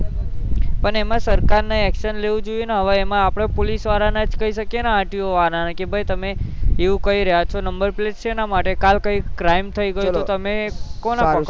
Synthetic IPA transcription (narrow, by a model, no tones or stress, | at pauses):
pəɳemãsəɾkaɾnaɛkʃənleʋũd͡ʒojeneɦəʋaemãːpɽ̃epolisʋaɾanad͡ʒkəiʃəkjenaãʈjoʋananakebʱəjt̪əmeeʋũkəiɾəɦjat͡ʃʰonəmbəɾplest͡ʃenamaʈekalkəikɾaimt̪ʰəiɡəjut̪ot̪əmekona